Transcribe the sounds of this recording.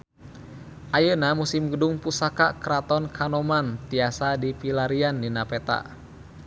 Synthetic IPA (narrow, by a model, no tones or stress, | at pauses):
ʔajənamusimɡədʊŋpusakakəɾat̪ɔnkʰanɔmant̪iasadipilaɾiandinapɛt̪a̰ʔ